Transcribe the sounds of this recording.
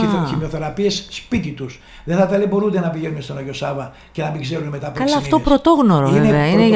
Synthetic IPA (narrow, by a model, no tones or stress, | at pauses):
oçimoθe̞ɾɐpiesspit̪it̪us | ðeθɐt̪ɐleboɾud̪enɐpiʝenumest̪onoʝo̞sɐvɐ | ce̞nɐmiɡzeɾunemet̪ɐpkɐlɐːft̪o̞pɾo̞t̪o̞ɣnoɾoveneveɐine